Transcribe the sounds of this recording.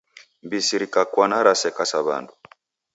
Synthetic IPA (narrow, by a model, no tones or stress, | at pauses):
mbisiɾikakwanaɾasɛkasaβa̰ndu